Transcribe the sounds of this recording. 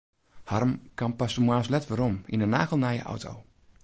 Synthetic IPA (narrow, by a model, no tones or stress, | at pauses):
hɑrmkɑmpasəmwaslɛtʋəɾɔminənaːɣəlˠnajə̰ʔɔ̰wtʰo̰w